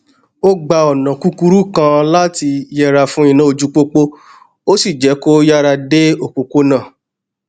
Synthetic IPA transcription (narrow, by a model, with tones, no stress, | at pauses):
o˦ɡ͡ba˧ɔ˨nã˨ku˦ku˦ɾu˦kã˧la˦ti˧jɛ˧ɾa˧fũ˦ĩ˦˧nã˦o˧d͡ʒu˦k͡po˦k͡po˦ | o˦si˦˨d͡ʒɛ˨˦ko˦ja˦ɾa˧de˦o˦˨k͡po˨ko˦nãː˦˨